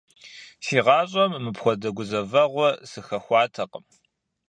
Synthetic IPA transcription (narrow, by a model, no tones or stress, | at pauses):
siːʁɑːɕʼɐmːɨpxʷɔdɐɡʷʊzɐvɐʁʷɔsɨxɐxʷɑːtʰɐqʼəm